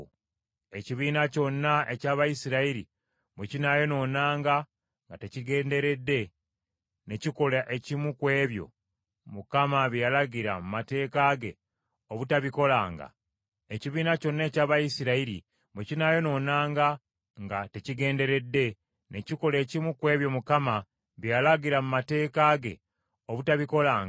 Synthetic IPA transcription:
e̞ciβiːnaco̞nːae̞caːβajisiɾaiɾḭ | mwecinajo̞no̞naːŋɡa | ŋɡateciɡe̞ːnde̞ɾe̞dːe̞ | ne̞ciko̞laʔe̞cimukwe̞ːβjo̞̰ | mukamaβijalaɡiɾa̰mumate̞ːkaɡe̞ | oβutaβiko̞laːŋɡa̰ | eciβiːnaco̞nːe̞ːcaːβajisiɾaiɾḭ | mwecinajo̞no̞ːnaːŋɡa | ŋɡate̞ciɡe̞ːnde̞ɾe̞dːe̞ | ne̞ciko̞le̞ːcimukwe̞ːβjo̞mukama | βjalaɡiɾamumate̞ːkaɡe̞̰ | oβutaβiko̞laːŋɡ

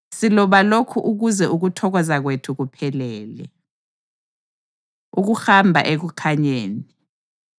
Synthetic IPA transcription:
silɔβalokʰuʔuɣuzɛʔuɣutʰɔɣɔzaɣ̬wetʰuɣupʰɛlɛːlɛ̰ | uɣ̬uxambʱa̰ʔeɣ̬ukʰaɲeːni

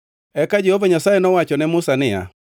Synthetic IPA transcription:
ɛkad͡ʒɛhovaɲasajenɔwat͡ʃɔnɛmʊsanɪja̰

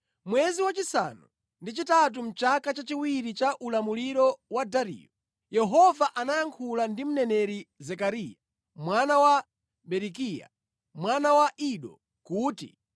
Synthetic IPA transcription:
mwɛziwat͡ʃisa̰nu | ndit͡ʃitat̬um̩t͡ʃakat͡ʃat͡ʃiwiɾit͡ʃaʔulamuliɾɔwadaɾḭːjɔ | jɛɦɔvaʔanajaŋkʰulandim̩nɛnɛɾizɛkaɾija | mwanawa | ɓɛɾikija̰ | mwanawaʔiɗɔ̰ | kuːtḭ

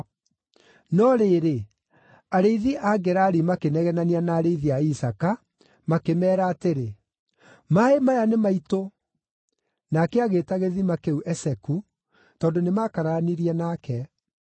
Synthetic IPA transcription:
nɔɾeːɾe | aɾeiðiʔaɡɛɾaɾimakenɛɣɛnanianaːɾeiðiaisaka | makemɛːɾaːteɾe | maemajanemaito | nakɛaɣeːtaɣeðimakeuʔɛsɛku | tɔːndonemakaɾaniɾiɛnakɛ

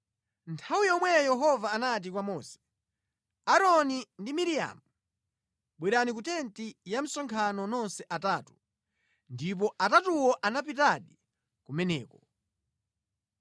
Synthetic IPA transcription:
ntʰawijɔmwɛjɛɦɔvaːnat̬ikwamɔːsɛ̥ | aɾɔnindimiɾija̰mu | ɓwɛɾanikutɛntijam̩sɔŋkʰanɔnɔnsɛʔataːtu | ndip̬ɔʔatatuwɔʔanapit̬aɗi | kumɛnɛːkɔ

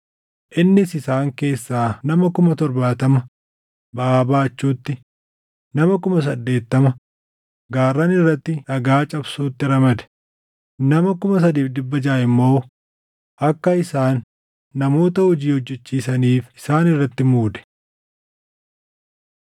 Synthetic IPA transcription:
ʔɪnːɪsɪsaːŋke̞ːsːaːnɐmɐkʊmɐt̪ɔɾbaːt̪ɐmɐ | bɐʔaːbaːt͡ʃːuːt̪ːɪ | nɐmɐkʊmɐs̬ɐd̪ːe̞ːt̪ːɐmɐ | ɡaːrːɐnɪrːɐt̪ːɪᶑɐɡaːt͡ʃʼɐbsuːt̪ːɪɾɐmɐd̪ɛ̥ | nɐmɐkʊmɐs̬ɐd̪iːfd̪ɪbːɐd͡ʒaːʔɪmːo̞ː | ʔɐkːɐɪsaːnː | ɐmo̞ːt̪ɐhʊd͡ʒiːhɔd͡ʒːɛt͡ʃːiːsɐniːfɪsaːnɪrːɐt̪ːɪmuːd̪ɛ̥

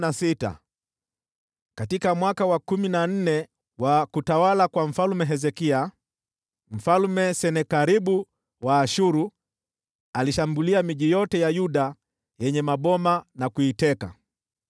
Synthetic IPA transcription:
nasita̰ | katikamwakawakuminan̩nɛ | wakutawalakwaɱ̩falmɛɦɛzɛkia | m̩falmɛsɛnɛkaɾiɓu | waːʃuɾu | aliʃambuliamiʄijɔtɛjajuɗa | jɛɲɛmaɓɔmanakuitɛka̰

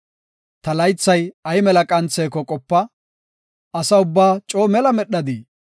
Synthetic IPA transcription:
t̪ɐlɐjt͡sːɐjɐjmɛlɐkʼɐnt͡sːeːkɔkʼɔpːɐ | ɐsɐʊbːaːt͡ʃʼo̞ːmɛlɐmɛɗːɐd̪i

